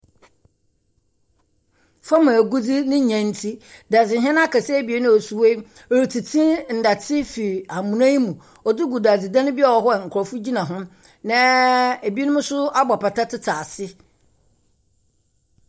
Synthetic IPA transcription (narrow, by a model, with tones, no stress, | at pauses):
fa˦mã˨ɡu˦d͡zi˦nɪ̃˦ɲã˨n̩˦tʰi˦da˨d͡zɪ˨ɦɛ̃˦n˦a˦kʰa˨sɛ˦˨bi˨e˦nʊ̃˦ɔ˨su˨we˦ | ɔ˨ɾi˨tʰi˨tʰĩ˦n̩˨da˨tʰɪ˦fi˨a˨mũ˨nã˦ji˦mũ˨ | ɔ˨dɪ˦ɡu˨da˨d͡zɪ˨dã˦nɪ̃˦bɪ˦ɔ˨wɔ˨˦ɦɔ˦ɛ˨ŋ̩˨kʰʊ˨ɾɔ˨fʊ˦d͡ʑi˦nã˨ɦʊ̃˦ | nã˦e˨bi˦nʊ̃˦mʊ̃˦sʊ˦a˦ba˨pa˨tʰa˦tʰɪ˦tʰaː˨sɪ˦